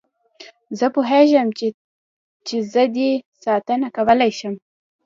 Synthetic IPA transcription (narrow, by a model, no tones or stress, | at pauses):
zəpoɦeʒəm | t͡ʃezəd̪esɑt̪ənakawəlajʃəm